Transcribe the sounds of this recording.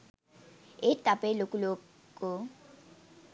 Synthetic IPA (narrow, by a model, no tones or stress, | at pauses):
ɪtʼapʼɛlokʼuloː | kʼʊ